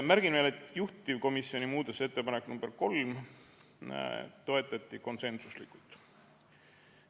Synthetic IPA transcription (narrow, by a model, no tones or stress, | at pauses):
mæɾɡ̥invelet̪ːˑjuht̪ʲːˑivko̞misjo̞nimuːd̪̥ese̞t̪ːe̞pɑnekːnumb̥erko̞lm | t̪o̞e̞t̪ːˑɑt̪ʲːˑiko̞nse̞nsuslikːˑult̪ˑ